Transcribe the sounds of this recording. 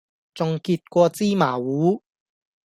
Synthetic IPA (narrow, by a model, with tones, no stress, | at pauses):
t͡sʊ˨ŋkiː˧t̚kʷɔː˧t͡siː˥maː˨˩wuː˨˥